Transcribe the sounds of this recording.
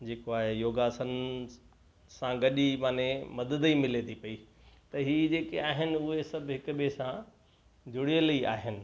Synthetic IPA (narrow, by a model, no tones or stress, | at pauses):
d͡ʑeːkoaːɦejoːɡaːsən | sãɡɐɗimaːnemɐd̪əd̪imɪlet̪ʰipɐi | t̪ɐɦiːd͡ʑeːkeaːɦɪnɪ̆ʊɦesɐbʱɦɪkʊɓesã | d͡ʑʱʊɽijəlia̰ːɦɪnɪ̆